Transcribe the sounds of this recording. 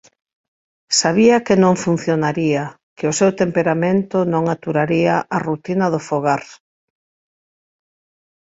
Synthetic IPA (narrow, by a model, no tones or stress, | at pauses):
saβiɐkɪnõŋfun̟θjonaɾiɐ | kɪʊsewt̪empeɾamẽnt̪ʊnõŋat̪uɾaɾiaʔarut̪inɐðʊfoɣaɾ